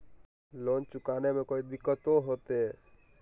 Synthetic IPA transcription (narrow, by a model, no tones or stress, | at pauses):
loːnt͡ʃʊkaːnemẽkoːid̪ɪkːət̪oɦoːt̪e